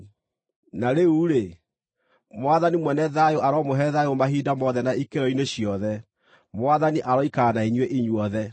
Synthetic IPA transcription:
naɾeuɾe | mwaðanimwɛnɛðajoʔaɾɔmoɦɛðajomaɦidamɔðɛnaikeɾɔineɕjɔðɛ | mwaðaniʔaɾɔikaːnaiɲweʔiɲwɔðɛ

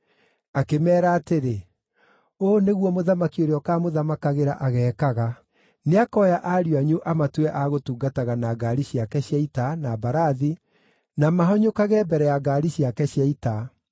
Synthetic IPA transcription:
akemɛːɾaːteɾe | oːneɣwɔmoðamakioɾeɔkaːmoðamakaɣeɾaʔaɣɛːkaɣa | neakɔjaʔaɾiaɲuʔamatwɛʔaɣotuːɡataɣanaɡaɾiɕiakɛɕjaitanabaɾaði | namaɦɔɲokaɣɛbɛɾɛjaɡaɾiɕjakɛɕjaita

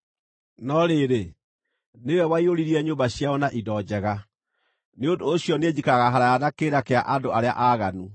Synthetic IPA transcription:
nɔɾeːɾe | newɛwaioɾiɾiɛɲoːmbaɕjaɔnaʔidɔd͡ʑɛɣa | neondoːɕiɔned͡ʑikaɣaɦaɾajanakeːɾakeaʔadoaɾea̰ʔaːɣanu

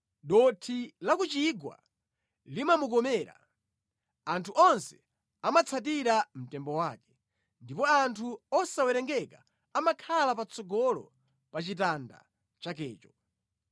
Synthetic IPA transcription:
ɗɔtʰilakut͡ʃiɡwa̰ | limamukɔmɛːɾa̰ | antʰuʔɔnsɛ̥ | amat͡sʰat̬iɾam̩tɛmbɔwaːkɛ̥ | ndipɔantʰuɔsawɛɾɛŋɡɛka | amakʰalapat͡sʰɔɡɔlɔ̰ | pat͡ʃitanda̰ | t͡ʃakɛːt͡ʃɔ̥

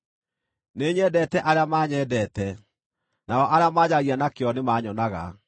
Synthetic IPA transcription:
neːɲɛdɛtɛʔaɾeamaːɲɛdɛtɛ | naɔʔaɾeamaːɲaɣianakeɔnemaːɲɔnaɣa̰

